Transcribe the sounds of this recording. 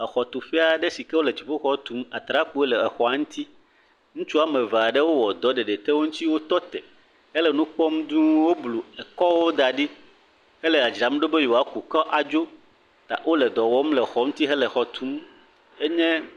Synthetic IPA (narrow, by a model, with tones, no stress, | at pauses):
ɛ˨xɔ˨t̪u˨fɛ˦a˨ɖɛ˦si˨kɛ˦wo˦lɛ˨d͡ʑi˨ɸo˦xɔ˦t̪u˨˦ma˨t̪ɾa˦ku˦e˦lɛ˨ɛ˨xɔ˨a˨˦ŋũ˦t̪ʰi˦ | ŋũ˦t͡ʃu˦a˦mɛ̃˨va˨ɖɛ˦wo˦wɔ˨d̪ɔ˦ɖe˨ɖe˨t̪ɛ˦wo˦ŋũ˦t̪i˦wo˦t̪ɔ˦t̪ɛ˨ | ɛ˦lɛ˨nũ˦k͡pɔ˦md̪ũ˦wo˦blu˨ɛ˨kɔ˦wo˦d̪a˨ɖi˦ | hɛ˦lɛ˨a˨d͡ʒɾa˨˦m˦ɖo˦be˦jo˨a˨˦ku˨kɔ˦ʔa˨d͡ʒo˦ | t̪a̰˨ʔwo˦lɛ˨d̪ɔ˨wɔ˦mlɛ˨xɔ˨˦ŋ̩̃˦t̪i˦ɦɛ˦lɛ˨xɔ˨t̪ʰu˦m | e˦ɲɛ̃˦